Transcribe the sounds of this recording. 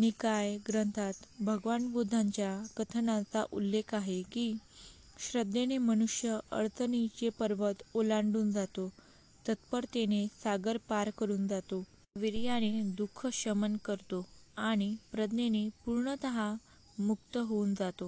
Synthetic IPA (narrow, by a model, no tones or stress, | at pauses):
nikajɡɾənt̪ʰat̪bʱəɡʋanbud̪ʱaɲt͡ɕjakət̪ʰənat͡saʔṵlːekʰaɦeki | ɕɾəd̪ːeneməñuʂjəə̰ɾt̪ənit͡ɕepəɾʋət̪olaɳɖuːnd͡zat̪o | t̪ət̪pəɾt̪enesaɡəɾpaɾkəɾuːnd͡zat̪o | ʋiɾjaɽ̃ed̪ukʰːəɕəmənkəɾt̪oaɽ̃ipɾəd̪nenepuɾɳət̪əɦa | muk̚t̪əɦound͡zat̪o